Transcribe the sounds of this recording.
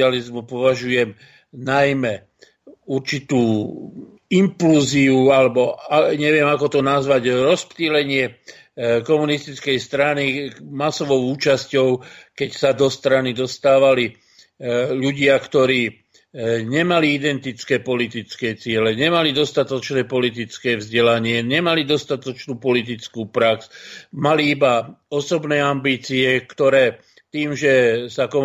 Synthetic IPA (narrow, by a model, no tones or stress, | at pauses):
alizmupɔʋaʒujɛm | najmɛ | uɾt͡ʃit̪uː | impluːziualɛbɔaɲɛʋɪɛmakɔt̪ɔnazʋaɟɾɔspt̪ilɛɲɪɛ | kɔmunist̪it͡skɛjst̪ɾanimasɔʋɔʊuːt͡ʃascɔʊkɛcsad̪ɔst̪ɾanid̪ɔst̪aːʋali | ʎuɟɪakt̪ɔɾiː | ɲɛmaliid̪ɛnt̪it͡skɛːpɔlit̪it͡skɛt͡sɪɛlɛɲɛmalid̪ɔst̪at̪ɔt͡ʃnɛːpɔlit̪̬it͡skɛːvzɟɛlaɲɪɛɲɛmalid̪ɔst̪at̪ɔt͡ʃnuːpɔlit̪̬it͡skuːpɾaksmaliibaɔsɔbnɛːambiːt͡siɛkt̪ɔɾɛː | t̪iːmʒɛsakɔ